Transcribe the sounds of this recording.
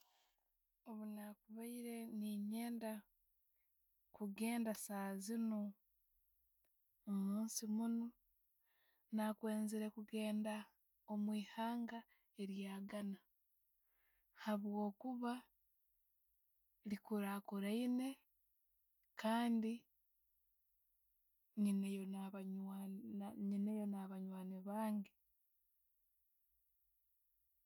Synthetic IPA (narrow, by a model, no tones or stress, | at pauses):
o̞βunakuβaiɾe̞niɲe̞ːnda | kuɡe̞ːndasaːzino | omuːnsimuno | nakwe̞ːnziɾe̞kuɡe̞ːnda | o̞mwiːhaːŋɡa | e̞ɾjaːɡana | haβwo̞ːkuβa | likuɾakuɾaine̞ | kʰaːndi | ɲinejo | ɲinejo̞naβaɲwaːneβaːŋɡe